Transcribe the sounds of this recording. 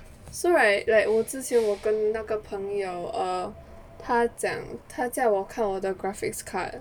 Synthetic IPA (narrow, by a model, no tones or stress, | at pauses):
soɹaɪlaɪwɔt͡sɹ̩t͡ɕinwɔkənnaɡəpʰəŋjoʊʔə | t̪ʰat͡ɕɑ̰ŋt̪ʰat͡saɪwɔkʰanwɔd̪əɡɹafɪ̰kskʰa̰